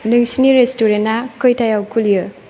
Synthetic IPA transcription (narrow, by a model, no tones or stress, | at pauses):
nɯŋsiniɾestuɾenːakɯjtajawkʰulijɯ